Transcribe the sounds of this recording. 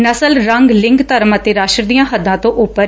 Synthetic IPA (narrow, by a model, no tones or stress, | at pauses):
nəsəlɾəŋɡlɪ̃ŋɡt̪əɾmãːt̪eːɾaːʃɾd̪ijãːɦəd̪ːãːt̪õːʔʊpːə